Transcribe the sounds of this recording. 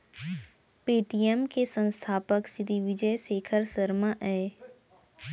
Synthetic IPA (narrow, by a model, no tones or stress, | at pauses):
piːʈiemkesə̃nst̪ʰaːpəksɪd̪iʋɪd͡ʒəjseːkʰəɾsəɾmaʔɛː